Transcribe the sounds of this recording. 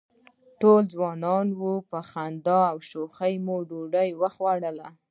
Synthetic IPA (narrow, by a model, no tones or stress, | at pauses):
ʈold͡zwɑnɑnwupəxand̪ɑawʃoxəjmoɖoɖəjwəxwaɽəla